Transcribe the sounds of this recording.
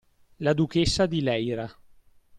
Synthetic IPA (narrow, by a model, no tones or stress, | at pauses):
lad̪ukesːad̪ilɛjɾa